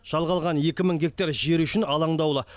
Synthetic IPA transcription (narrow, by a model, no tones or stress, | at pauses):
ʒ̥ɑlˠʁɑlˠʁɑnje̞kʲɪmɪŋɡʲe̞k̚t̪ɑɾʒe̞ɾʏʃɪnɑlˠɑɴd̪ɑwlˠə